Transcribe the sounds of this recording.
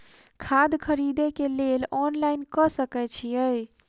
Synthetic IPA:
kʰad̪kʰəɾid̪ekelelɔnlainkəsəkɛt͡ʃʰijəj

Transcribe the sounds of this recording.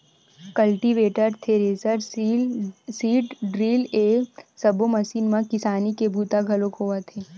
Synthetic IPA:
kɐlʈiʋeːʈəɾt̪ʰeɾeːzəɾ | siːʈɖɾiːleːsɐbomɐsiːnmãkɪsaːnikebʱuːt̪aɡʱɐlõkɦoːat̪ʰeː

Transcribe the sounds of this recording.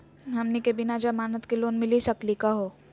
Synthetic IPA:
ɦɐmnikebɪnad͡ʒamaːnət̪keloːnmɪlisɐklikaɦoː

